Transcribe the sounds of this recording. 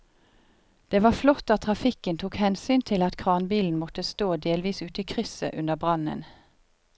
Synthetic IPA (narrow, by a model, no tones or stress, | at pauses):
d̪̥eːʋɑːflɔt̪ːɑt̪ʰʁɑfɪkənt̪ʰuːkhɛnsyːnt̪ʰɪlɑt̪kʰʁɑːnbiːln̩mɔt̪əst̪oːd̪eːlʋiːsʉːt̪əiːkʰʁʏsə̰ʔʉnəʁbʁɑnə̰n